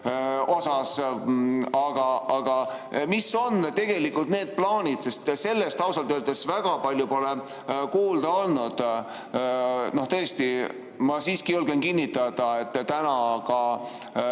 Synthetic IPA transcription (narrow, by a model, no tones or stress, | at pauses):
o̞sɑs | ɑɡ̥ɑɑɡ̥ɑ | miso̞nt̪e̞ɡ̥e̞likːˑult̪̚ne̞ːd̪̥̚plɑːnʲid̪se̞st̪se̞lːest̪ɑwsɑlt̪øøld̪̥esvæɡ̥ɑpɑlʲjupo̞le | kuːld̪̥ɑo̞lnud̪̥ | no̞ht̪ɤest̪i | mɑsiːskijulɡ̥enkinːit̪ːˑɑd̪̥ɑe̞t̪ːˑt̪ːænɑkɑ